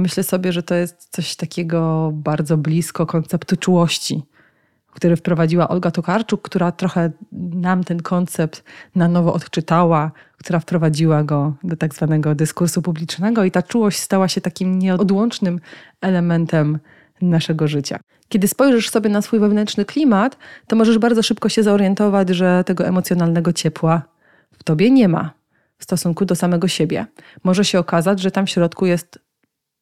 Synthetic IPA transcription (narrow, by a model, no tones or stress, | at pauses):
mɘɕlɛsɔbʲjɛʐɛt̪ɔjɛst̪sɔɕt̪akʲʰɛɡɔbaɾd̪zɔblʲiskɔkɔnt̪sɛpt̪ut͡ʂuwɔɕt͡ɕi | kt̪uɾɘfpɾɔvad͡ʑiwaʔɔlɡat̪ɔkaɾt͡ʂukkt̪uɾat̪ɾɔxɛnamt̪ɛnkʰɔnt̪sɛpt̪nanɔvɔʔɔt̪t͡ʂɘt̪awa | kt̪uɾafpɾɔvad͡ʑiwaɡɔd̪ɔt̪aɡzvanɛɡɔd̪ɘskuɾsupublʲit͡ʂnɛɡɔit̪at͡ʂuwɔɕt͡ɕʲst̪awaɕɛt̪akʲimɲɛɔɔd̪wɔnt͡ʂnɘm | ɛlɛmɛnt̪ɛm | naʂɛɡɔʐɘt͡ɕa̰ | kʲjɛd̪ɘspɔjʐɛʂsɔbʲjɛnasfujvɛvnɛntt͡ʂnɘklʲimat̪ːɔmɔʐɛʐbaɾd̪zɔʂɘpkɔɕɛzaɔɾjɛnt̪ɔvad͡ʑʐɛt̪ɛɡɔɛmɔt̪sʲjɔnalnɛɡɔt͡ɕɛpwa | ft̪ɔbʲjɛɲɛma̰ | fst̪ɔsuŋkud̪ɔsamɛɡɔɕebʲjɛ̰mɔʐɛɕɛɔkazad͡ʑʐɛt̪amfɕɾɔt̪kujɛst̪